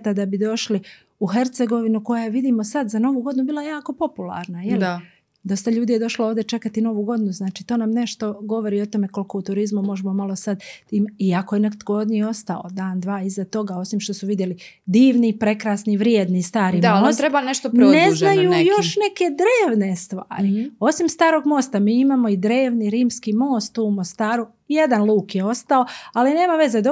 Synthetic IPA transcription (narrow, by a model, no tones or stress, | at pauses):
t̪ad̪abid̪o̞ʃli | uɦe̞ɾt̪se̞ɡo̞ʋinuko̞jaʋid̪iːmo̞sad̪zano̞ʋuːɡd̪inubiːlˠaejaːko̞po̞pula̰ɾnajeli | d̪o̞st̪aʎuːd̪ije̞d̪o̞ʃlooʋd̪e̞t͡ʃe̞kat̪ino̞ʋuɡo̞d̪inuznaːt͡ʃiːt̪o̞ːnamne̞ʃt̪o̞ɡo̞ʋo̞ɾiːo̞t̪o̞me̞ko̞lko̞ut̪uɾizmumo̞ʒemo̞malo̞sad̪t̪iːmiakoje̞nekat̪koɡod̪nijeo̞st̪ao̰d̪aːnd̪ʋaːizat̪o̞ɡao̞simʃt̪o̞suʋid̪je̞li | d̪iːʋnipɾe̞kɾasniʋɾjeːd̪nist̪aːɾid̪maost̪ɾebaneʃt̪oɾneznajujo̞ʃne̞ke̞d̪ɾeːʋne̞st̪ʋa̰ːɾio̞simst̪aːɾo̞ɡmo̞st̪amiːimaːmo̞id̪ɾe̞ːʋniɾiːmskimo̞ːst̪umo̞st̪aːɾu | jed̪anlˠuːkjeo̞st̪ao̞aline̞ːmaʋe̞ze̞d̪o